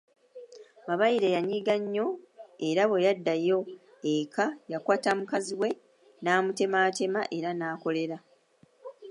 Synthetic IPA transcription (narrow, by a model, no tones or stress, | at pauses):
maβajiɾe̞jaɲiɡaɲːo̞e̞ɾaβe̞jadːajo̞ | ekʰajakwaːtamukaziwe̞ | naːmute̞maːte̞ma̰ʔe̞ɾanaːko̞le̞ɾa